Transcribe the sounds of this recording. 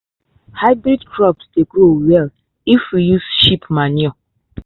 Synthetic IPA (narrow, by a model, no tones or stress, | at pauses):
haɪbɾidkɹɔpsdeɡɾowɛl | ifwijuzʃipmaniɔ